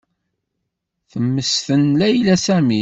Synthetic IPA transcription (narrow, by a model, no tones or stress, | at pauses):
θəmːəsθənlæjlæsæmi